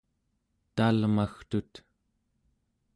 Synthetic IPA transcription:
t̪almaxt̪ut̪

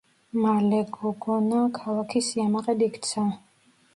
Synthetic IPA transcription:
malɛɡɔɡɔnakʰalakʰisiamaqʼɛd̪ikʰt̪sʰa

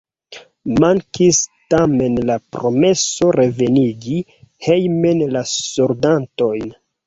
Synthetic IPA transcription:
maŋkistame̞nlapɾo̞me̞so̞ɾe̞ve̞niɡi | he̞jme̞nlasoɾdanto̞jn

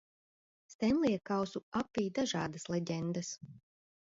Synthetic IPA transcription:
st̪ɛnlˠijɛkawsuapːiːd̪aʒɑːd̪aslɛɟʲɛnd̪as

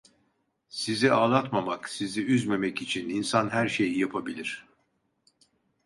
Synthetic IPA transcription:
siziaːlˠat̪mamaksiziyzme̞mɛcit͡ʃʰininsanɦæɾʃe̞jijapʰabilʲiɾ̥

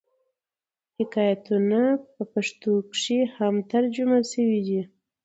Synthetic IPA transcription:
hɪkɑjat̪unapəpaʂt̪okʂihamt̪aɾd͡ʒumasəwid̪i

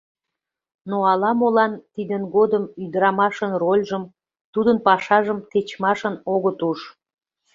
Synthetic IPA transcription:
noɑlɑmolɑnt̪id̪ənɣod̪əmyd̪əɾɑmɑʃənrolʲʒəm | t̪ud̪ənpɑʃɑʒəmt̪et͡ɕmɑʃənoɣət̪uʃ

